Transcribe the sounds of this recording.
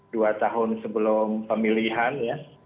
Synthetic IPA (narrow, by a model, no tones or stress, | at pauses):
duat̪aɦʊnsəbəlʊmpəmiliɦanja